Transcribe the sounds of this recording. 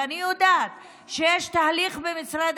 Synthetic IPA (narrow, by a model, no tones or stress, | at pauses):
anijod̪aːt̪ | ʃejeʃt̪aːliχbemit͡sʁad̪